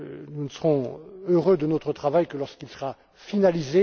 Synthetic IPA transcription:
nunəsəʁɔ̃øʁød̪ənɔt̪χət̪χavajkəlɔʁskilsəʁa | finalize

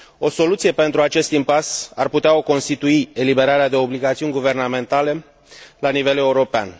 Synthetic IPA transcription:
o̞so̞lut̪sije̞pe̞nt̪ɾuat͡ʃe̞st̪impasarput̪eao̞ko̞nst̪it̪uie̞libe̞ɾaɾead̪e̞o̞bliɡat̪siunʲɡuve̞rname̞nt̪ale̞ | lanive̞le̞uɾo̞pea̰n

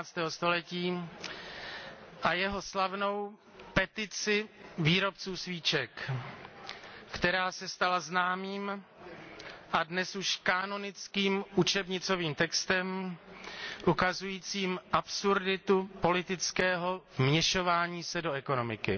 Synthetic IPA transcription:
aːt͡st̪ɛːɦost̪o̞lɛciː | ʔajɛɦo̞slavno̞w | pɛt̪ɪt͡sɪviːɾo̞pt͡suːsviːt͡ʃɛk | kt̪ɛɾaːsɛst̪alaznaːmiːm | ʔadnɛsuʃkaːno̞nɪt͡skiːmʔut͡ʃɛbɲɪt͡so̞viːmt̪ɛkst̪ɛm | ʔukazujiːt͡siːmʔapsuɾdɪt̪upo̞lɪt̪ɪt͡skɛːɦo̞vmɲɛʃo̞vaːɲiːsɛdo̞ɛko̞no̞mɪkɪ

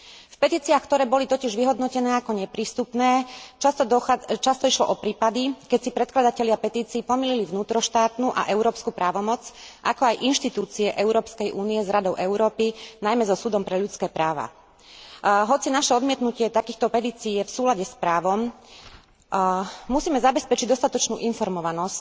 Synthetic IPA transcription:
fpɛt̪iːt͡siaxkt̪ɔɾɛːbɔlit̪ɔcɪɛʒʋiɦɔd̪nɔcɛnɛːakɔɲɛpɾiːst̪upnɛːt͡ʃast̪ɔt͡ʃast̪ɔiʃlɔ̰ʔɔpɾiːpad̪ikɛcsipɾɛt̪klad̪acɛʎɪapɛt̪iːt͡siːpɔmililivnuːt̪ɾɔʃt̪aːt̪nuʔa̰ʔɛʊɾɔːpskupɾaːʋɔmɔt͡sʔakɔajʔinʃt̪it̪uːt͡siɛʔɛʊɾɔːpskɛjʔuːniɛzɾad̪ɔʊʔɛʊɾɔːpinajmɛzɔsud̪ɔmpɾɛʎut͡skɛːpɾaːʋa̰ | ɦɔt͡sinaʃɛɔd̪mɪɛt̪nucɪɛt̪akiːxt̪ɔpɛt̪iːt͡siːjɛfsuːlaɟɛspɾaːʋɔm | musiːmɛzabɛspɛt͡ʃiɟd̪ɔst̪at̪ɔt͡ʃnuːʔinfɔɾmɔʋanɔsc

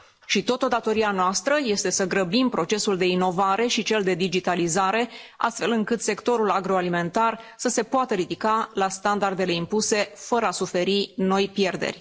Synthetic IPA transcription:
ʃit̪o̞t̪od̪at̪o̞ɾianoast̪ɾəje̞st̪e̞səɡɾəbimpɾo̞t͡ʃe̞suld̪e̞ino̞vaɾe̞ʃit͡ʃe̞ld̪e̞d̪id͡ʒit̪alizaɾe̞a̰st̪fe̞lɨŋkɨt̪se̞kt̪o̞ɾulaɡɾo̞alime̞nt̪arsəse̞poat̪əɾid̪ikalast̪and̪ard̪e̞le̞impuse̞fəɾəasufe̞ɾino̞jpje̞rd̪e̞̰rʲ

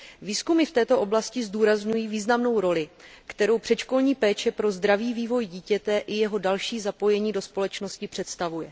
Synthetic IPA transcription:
viːskumɪft̪ɛːt̪o̞ʔo̞blascɪzduːɾazɲujiːviːznamno̞wɾo̞lɪkt̪ɛɾo̞wpr̝̥ɛt̪ʃko̞lɲiːpɛːt͡ʃɛpɾo̞zd̪ɾaviːviːvo̞jɟiːcɛt̪ɛʔɪjɛɦo̞dalʃiːzapo̞jɛɲiːdo̞spo̞lɛt͡ʃno̞scɪpr̝̥ɛt̪st̪avujɛ

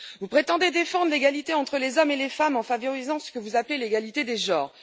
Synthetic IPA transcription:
vupχet̪ɑ̃d̪ed̪efɑ̃d̪ʁleɡalit̪eɑ̃t̪χəlezɔmelefamɑ̃favɔʁizɑ̃sə̥kəvuzapleleɡalit̪ed̪eʒɑ̃ːʁ

